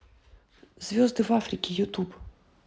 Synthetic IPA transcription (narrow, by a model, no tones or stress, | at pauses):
zʲvʲɔzd̪ɨvafɾɨkʲijut̪ub